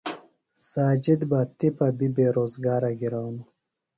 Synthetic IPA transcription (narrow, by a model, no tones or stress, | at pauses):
saːd͡ʑid̪baːt̪ipɐbibeːɾoːzɡaːɾɐɡiɾɑːnu